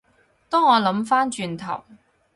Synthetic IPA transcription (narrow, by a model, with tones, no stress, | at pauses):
t̪ɔː˥ŋɔː˨˧lɐ˨˥mfaː˥nt͡ʃyː˧nt̪ʰɐ̰˨˩w